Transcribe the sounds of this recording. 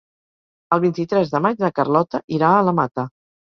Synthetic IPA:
əlˠβint̪it̪ɾɛzðəmad͡ʒðəkərlɔt̪əʔiɾaələmat̪ə

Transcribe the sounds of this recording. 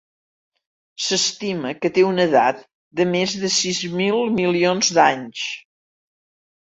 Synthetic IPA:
səst̪iməkət̪eunəða̰t̪ | d̪əmezðəsizmilˠmilionzd̪aɲs

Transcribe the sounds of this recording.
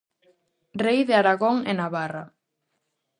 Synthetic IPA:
rejðeaɾaɣoŋenaβara

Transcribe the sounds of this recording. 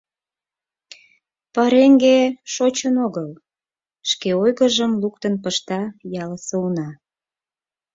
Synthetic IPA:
pəɾeŋɡeʃot͡ɕənoɣəl | ʃkeojɣəʒəmluk̚t̪ənpəʃt̪ɑjɑləsəunɑ

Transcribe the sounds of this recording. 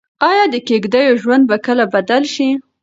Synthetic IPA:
ɑjɑd̪əkeɡd̪əjoʒwand̪̚bakəlabad̪alʃi

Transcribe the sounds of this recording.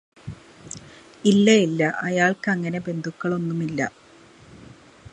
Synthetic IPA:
ilːɐjilːɐʔɐjaːɭkɨɐŋːɐne̞be̞nd̪ʱukːɐɭo̞nːumilːɐ̰

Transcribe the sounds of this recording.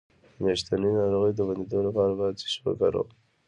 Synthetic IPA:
meʃt̪aninɑɾoɣəjd̪əband̪id̪olapɑɾabazi̥ʃwə̰kaɾo̰

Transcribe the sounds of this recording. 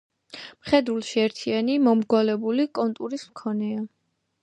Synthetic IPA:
mχɛd̪ulˠʃiɛɾt̪ʰianimɔmɡwalɛbulikʼɔnt̪ʼuɾismkʰɔnɛa

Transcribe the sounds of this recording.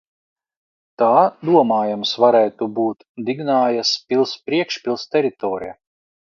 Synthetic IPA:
t̪aːd̪uɔmaːjamsvaɾɛjt̪ubuːt̪ | d̪iɡnaːjaspʲilˠspɾiɛkʃpʲilˠst̪ɛɾit̪ɔːɾija̰

